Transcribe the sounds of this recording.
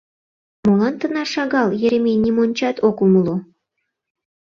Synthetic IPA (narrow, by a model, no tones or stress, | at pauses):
molɑnt̪ə̆nɑʃɑɣɑljeɾemenʲimonʲt͡ɕɑt̪okuməlo